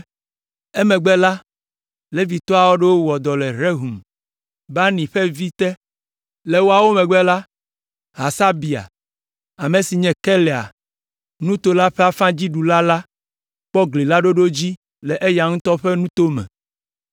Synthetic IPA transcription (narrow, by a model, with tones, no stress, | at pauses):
ɛ˦mɛ̃˨ɡ͡bɛ˦la˦ | le˦vi˨t̪ɔ˦a˨wo˦ɖe˦wo˦wɔ˨d̪ɔ˨lɛ˨ɾe˦ɦu˨m | ba˦nĩ˨ɸɛ˦vi˦t̪ɛ˦ | lɛ˨wo˦a˨wo˦mɛ̃˨ɡ͡bɛ˦la˦ | ɦa˨sa˦bi˨a̰˨ | a˨mẽ˨si˨ɲɛ̃˨kɛ˦lɛ˨a̰˨ | nũ˦t̪o˦la˦ɸe˦a˦fã˦d͡ʑi˦ɖu˨la˦la˦ | k͡pɔ˦ɡli˨la˦ɖo˦ɖo˦d͡ʑi˦ | lɛ˨ʔe˦ja˨ŋ̩̃˦t̪ɔ˦ɸɛ˦nũ˦t̪o˦mɛ̰̃˨